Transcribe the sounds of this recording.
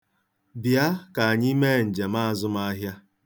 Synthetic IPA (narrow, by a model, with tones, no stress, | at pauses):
bja˦ka˨a˨ɲɪ˦me˦˨n̩˨d͡ʒe˨ma˦a˨zʊ˦ma˦ɦja˦